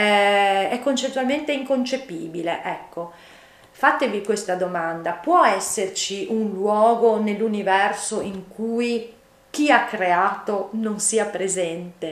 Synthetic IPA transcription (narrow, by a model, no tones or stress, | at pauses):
ɛɛkːont͡ʃet̪ːwalment̪eiŋkont͡ʃepḭːbileʔɛkːo | fat̪evikwest̪ad̪omand̪apwɔɛsːert͡ʃiʔunlwɔːɡonelːunivɛrsoiŋkuːj | k̟iakːɾeaːt̪ononsiːapɾezɛnt̪e